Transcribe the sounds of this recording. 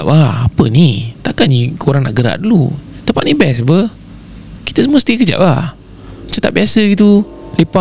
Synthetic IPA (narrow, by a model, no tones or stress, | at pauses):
aʔaapənit̪akanikʰoɾaŋna̰ʔɡəɾa̰ʔdulut̪əpaʔnibɛsbə | kit̪əsəmuəst̪ikəd͡ʒa̰ʔlah | at͡ʃat̪a̰ʔ̚biasəɡit̪̬u | lepa